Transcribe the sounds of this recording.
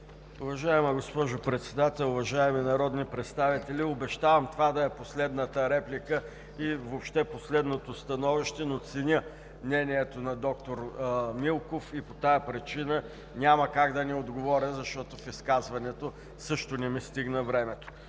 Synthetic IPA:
ʊvɐʒaɛmɐɡospɔʒʊpɾɛt̪sɛd̪at̪ɛlˠʊvɐʒaɛminɐɾɔd̪nipɾɛt̪st̪avit̪ɛlʲiobɛʃt̪avɐmt̪ovad̪ɐɛposlɛd̪nət̪əɾɛplʲikə | ivopʃt̪ɛposlɛd̪not̪ost̪ɐnɔviʃt̪ɛnot̪sɛnʲə | mnɛnʲiɛt̪onɐd̪ɔkt̪oɾmilˠkofipot̪ajɐpɾit͡ʃinə | nʲamɐkaɡd̪ɐnɛod̪ɡovɔɾʲəzɐʃt̪ɔt̪ofiskazvɐnɛt̪o | sɤʃt̪onɛmist̪iɡnəvɾɛmɛt̪o̥

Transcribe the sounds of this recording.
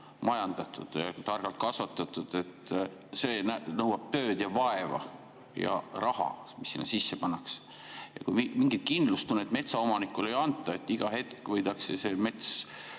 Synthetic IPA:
mɑjɑnd̪̥ɑt̪ṵd̪̥jɑ̰t̪ɑrɡ̥ɑlt̪̚kɑsvɑt̪ːˑɑt̪ːˑud̪̥e̞t̪ːˑ | seːnænɤwɑb̥̚t̪øːd̪̥jɑvɑevɑ̰ | jɑ̰rɑhɑ̰misːinːɑ̰sisːepɑnːɑks | jɑ̰kujmimiŋɡit̪̚kind̪lust̪unːet̪ˑme̞t̪sɑomɑnikːˑulejɑnt̪ːˑɑe̞t̪ːˑiɡ̥ɑhe̞t̪kvɤjd̪̥ɑksese̞me̞t̪s

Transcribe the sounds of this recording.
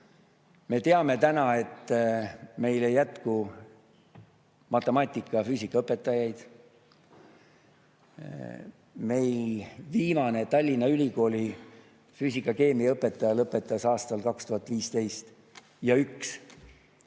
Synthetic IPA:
me̞t̪e̞ɑme̞t̪ænɑe̞t̪ː | me̞jlejæt̪ku | mɑt̪ːˑe̞mɑt̪ʲːˑikːˑɑfyːsʲikːˑɑɤpːˑe̞t̪ːˑɑjɑjd̪̥ | me̞jlviːmɑne̞t̪ɑlʲːinɑylʲiko̞ːlʲi | fyːsikːˑɑke̞ːmiɤpːˑe̞t̪ːˑɑjɑlɤpːˑe̞t̪ːˑɑsɑːst̪ɑlkɑkst̪uhɑt̪ːˑviːst̪e̞jst̪ | jɑyks

